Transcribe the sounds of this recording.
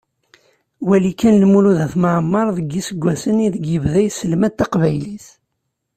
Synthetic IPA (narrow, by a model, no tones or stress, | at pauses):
wælikːænlmuluðæθməʕmːɑɾˤðəɡːisəɡʷːæsəniðəɡəvðæjsəlmæt̪ːɑqvæjliθ